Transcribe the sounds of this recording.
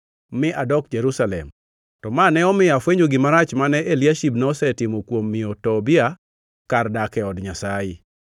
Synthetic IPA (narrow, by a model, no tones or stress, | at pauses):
mɪʔadɔkd͡ʒeɾusalɛ̰m | tɔmanɛɔmɪafweɲd͡ʒoɡɪmaɾat͡ʃmanɛʔeljaʃibnɔsɛtɪmokwomːɪotɔbɪa | kardakɛɔdɲasaɪ